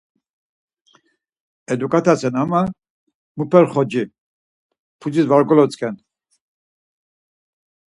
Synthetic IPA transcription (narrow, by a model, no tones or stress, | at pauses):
ɛd̪ukʼat̪ʰasʰɛnama | mupʰɛɾχɔd͡ʒi | pʰud͡zisvaɾɡɔlɔt͡sʼkʰʼɛn